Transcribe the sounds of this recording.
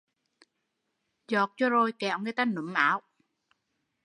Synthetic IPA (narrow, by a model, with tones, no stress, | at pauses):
zɔ˨˩k̚t͡ɕɔ˧zo˧jkɛ˧˩˨wŋɨ˧˨jt̪aː˧˩nə˨˦mʔaː˨˦w